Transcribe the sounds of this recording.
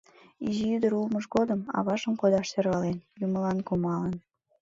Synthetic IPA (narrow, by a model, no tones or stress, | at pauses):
iʒijyd̪əɾulməʃɣod̪əmɑ̰βɑʃəmkod̪ɑʃt̪erβɑlenjuməlɑnkumɑlən